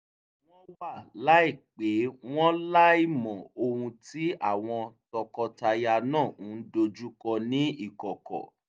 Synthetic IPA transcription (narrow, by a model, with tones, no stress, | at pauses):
w̃ɔ̃˦wa˦˨la˨˦i˦˨k͡pe˨˦w̃ɔ̃˦la˦i˦˨mɔ̃˨o˧hũ˧ti˨˦a˦˨w̃ɔ̃˧tɔ˧kɔ˧ta˧ja˧nãː˦˨ũ˨˦n̩˦do˧d͡ʒu˦kɔ˧nĩ˦i˦˨kɔ˨kɔ̰˨